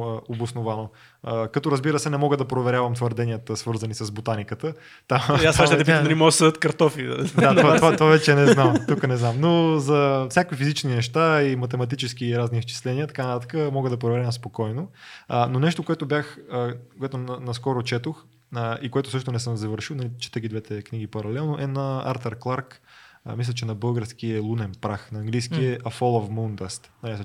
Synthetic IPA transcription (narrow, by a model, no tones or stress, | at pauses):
obʊsnovano | kɐt̪oɾəzbiɾəsɛnɛmɔɡəd̪ɐpɾovɛɾʲavɐmt̪vɐɾd̪ɛnʲijət̪əsvɤɾzɐnisɐzbot̪anikət̪ə | t̪amasaʃɛd̪ɛiɐlimɔɡəsəd̪ət̪kɐɾt̪ɔfḭd̪at̪vat̪ovat̪ovavɛt͡ʃɛnɛnamt̪ukənɛznamnozɐfsʲjakvifizit͡ʃninɛʃt̪aimɐt̪ɛmɐt̪̬it͡ʃɛskiːɾazniːst͡ʃi̥slɛniət̪ɐ̥kanɐt̪at̪ə̥kəmɔɡəd̪ɐpɾovɛɾɛnɐspokɔjnoənonɛʃt̪okoɛt̪objaxəkoɛt̪onɐnɐskɔɾot͡ʃɛt̪ox | ikoɛt̪ʊ̥sɤʃt̪onɛsəmzɐvəɾʃilnɐlit͡ʃi̥t̪əɡʲid̪vɛt̪ɛkniɡʲipɐɾɐlɛlˠnoʔɛnɐa̰ɾt̪ɐɾklˠaɾkmislʲət͡ʃɛnɐbɤlˠɡəɾsk̟iəlˠunɛmpɾaxnɐːŋɡlijsk̟iɛʔɐfɔlˠofmund̪əst̪nɐlɛs